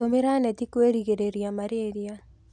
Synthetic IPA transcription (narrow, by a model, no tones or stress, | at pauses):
omɪɾanɛt̪ikweɾiɡeɾeɾjamaɾeɾja